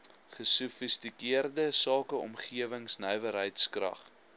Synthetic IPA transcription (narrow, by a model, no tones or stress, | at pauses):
χəsufistikiərdəsɑːkəɔ̰mχiəvəŋsnœjvəɾɦəjtskrɐ̰χ